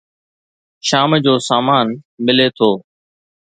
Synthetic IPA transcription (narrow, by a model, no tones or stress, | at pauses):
ʃaːmd͡ʑoːsaːmaːnmɪleːt̪ʰoː